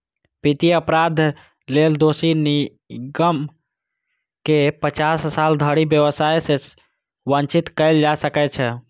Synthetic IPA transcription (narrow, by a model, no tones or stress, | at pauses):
pit̪iəpɾad̪ʱ | leld̪osini | ɡəm | kepət͡ʃasːald̪ʱəɽibjəʋəsajse | bənt͡ʃit̪kəɪld͡ʒasəkɛt͡ʃʰɛ